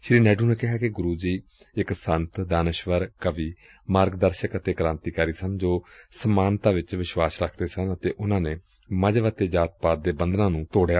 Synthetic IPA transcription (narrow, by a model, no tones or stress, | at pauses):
ʃɾiːnɛːɖuːnẽːkɪɦaːkɪɡʊɾuːd͡ʒiː | ɪksənt̪d̪aːnəʃʋəɾkəʋiː | maːɾɡd̪əɾʃəkət̪eːkɾãːnt̪iːkəɾiːsənd͡ʒoːsəmaːnt̪aːʋɪt͡ʃʋɪʃʋaːsɾəkʰd̪eːsənət̪eːʔʊnãːneː | məd͡ʒʋət̪eːd͡ʒaːt̪̚paːt̪̚d̪eːbənd̪nãːnũːt̪oːɽejaː